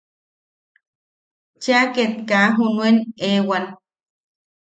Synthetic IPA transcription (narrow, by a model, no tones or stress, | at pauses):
t͡ʃiaket̪̚kaɦunuenewan